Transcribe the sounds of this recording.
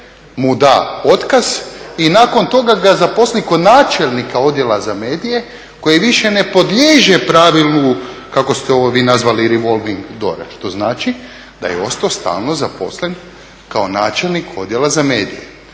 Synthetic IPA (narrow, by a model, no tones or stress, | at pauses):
mud̪ao̞t̪kaz̥inaːko̞nt̪o̞ɡaɡazapo̞sliko̞d̪naːt͡ʃe̞lnikao̞d̪je̞lazameːd̪ije̞ | ko̞jiʋiʃene̞po̞d̪lʲeːʒepɾaːʋilˠnukakost̪eo̞ʋoʋiːnazʋaliɾiʋo̞lˠʋiŋɡd̪o̞̰ɾa̰ʃt̪o̞znaːt͡ʃi | d̪a̰jeo̞st̪ost̪a̰ːlˠno̞zapo̞̰slen | kao̞naːt͡ʃelˠnikʰo̞d̪jelazameːd̪ḭjḛ